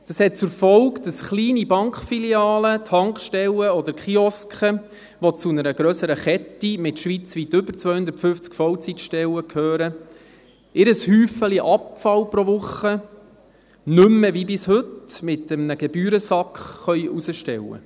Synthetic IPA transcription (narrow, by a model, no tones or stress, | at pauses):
d̥ɑshɛt̚t͡sʊɾfɔwkd̥ɑsχliːnibɑŋkχfiliɑːlət̪ʰɑŋkχʃtɛləɔd̪əɾkχiɔskχə | ʋɔt͡sunəɾəɡɾœsəɾəχɛtːimɪtʃʋit͡sʋit̪ːʏbəɾt͡sʋœjhʊnd̪əɾtfʏft͡skfɔwt͡sitʃtɛləkʰhøːɾə | ɪɾəshyːfəliʔɑpfɑlpɾoʋʊχə | nʏmːəvibɪshɵtmɪt̪əmnəɡ̥ɛbyːɾəsɑkχχœʏʔusəʃtɛ̰wə̰